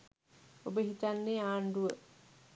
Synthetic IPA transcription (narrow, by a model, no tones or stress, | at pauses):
obəhitanːiaːnduə